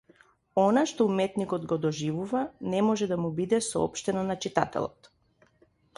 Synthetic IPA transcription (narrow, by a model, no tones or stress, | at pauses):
ɔnaʃt̪ɔumɛt̪nikɔd̪ɡɔd̪ɔʒivuvanɛmɔʒɛd̪amubid̪ɛsɔɔ̰pʃt̪ɛnanat͡ʃit̪a̰t̪ɛ̰lˠɔ̰t̪